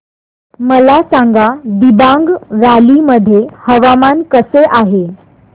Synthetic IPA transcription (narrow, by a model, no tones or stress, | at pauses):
məlasaŋɡad̪ibãŋɡʋaliməd̪ʱːjehəʋamankəseʔaɦe